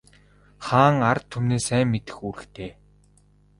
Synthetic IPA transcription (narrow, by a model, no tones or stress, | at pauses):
χaːŋart̪ʰːumneːsæːŋːet̪ɘ̆xuːɾɘ̆xt̪ʰeː